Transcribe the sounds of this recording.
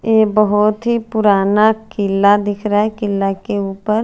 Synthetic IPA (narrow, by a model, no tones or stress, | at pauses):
jeːbɐɦʊt̪ɦipʊɾaːnakɪlːad̪ɪkʰɾaɛkɪlːakeuːpəɾ